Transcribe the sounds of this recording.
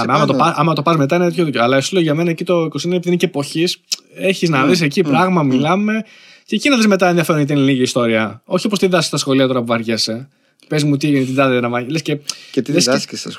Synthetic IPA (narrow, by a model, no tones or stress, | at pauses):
mɐmɐt̪oɐɐmɐɐt̪o̞pɐzme̞t̪ɐinet̪et̪çoðicoɐlɐesiloʝɐme̞nɐecit̪o̞ikosinenɐepiðineceːpo̞çiseçiznɐvis̬ecipɾɐɣmɐmilɐme̞ | ceːcinɐðezme̞t̪ɐenðiɐfeɾnet̪ineliʝiːst̪o̞ɾiɐo̞çiopost̪iðɐsi̥st̪ɐsxo̞liɐt̪o̞ɾɐpuvɐɾʝese | pezmut̪̬it̪id̪ɐðeɾɐmɐlescet̪es